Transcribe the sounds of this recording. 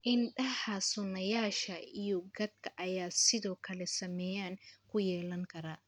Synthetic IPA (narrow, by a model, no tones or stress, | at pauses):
ʔɪnɖɐhɐsʊnɐjaːʃɐijɔɡɐd̪̚kʰɐʔɐjaːsɪðɔːkʰɐlɛsɐmɛːjaːnkʰʊjɛːlɐŋkʰɐɾaː